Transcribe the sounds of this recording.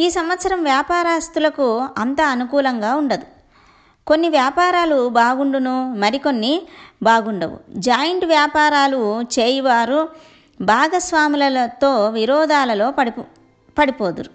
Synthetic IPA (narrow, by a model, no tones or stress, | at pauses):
iːsɐmʋɐt̪sɐɾɐmʋjaːpaːɾaːst̪ulɐkuɐnt̪ɐːnukuːlɐŋɡaːuɳɖɐd̪u | ko̞nːiʋjaːpaːɾaːlubaːɡuɳɖunumɐɾiko̞nːibaːɡuɳɖɐʋṵd͡ʒaːjɐɳʈʋjaːpaːɾaːlut͡ʃeːjɐʋaːɾu | bʱaːɡɐsʋaːmilɐlɐt̪o̞ːʋiɾɔːd̪aːlɐlo̞ːɐ | pɐɽipoːd̪uɾu